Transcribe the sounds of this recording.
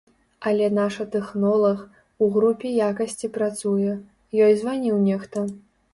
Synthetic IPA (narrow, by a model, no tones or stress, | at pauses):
ɐlʲɛnaʂɐt̪ɛxnɔlˠɐx | uɣɾupʲijakɐsʲt͡sʲipɾat̪sujɛ | jɔjzvanʲiwnʲɛxt̪ɐ